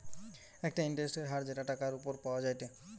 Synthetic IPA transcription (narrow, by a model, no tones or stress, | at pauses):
ɛk̚ʈaiɳʈeɾesʈeɾɦaɾd͡ʑeʈaʈakaɾupoɾpaoad͡ʑajt̪e